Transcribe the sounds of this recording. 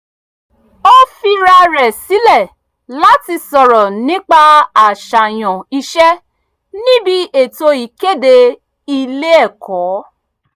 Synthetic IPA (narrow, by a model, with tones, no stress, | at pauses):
o˦fi˧ɾa˧ɾɛ˨si˨˦lɛ˦˨ | la˦ti˧sɔ˨ɾɔ˨nĩ˦k͡pa˦˧a˨ʃa˨j̃ɔ̃˨i˧ʃɛ˦ | nĩ˦bi˦ʔe˨to˧i˨˦ke˦˨de˧ | i˧le˦ɛ˦˨kɔː˨˦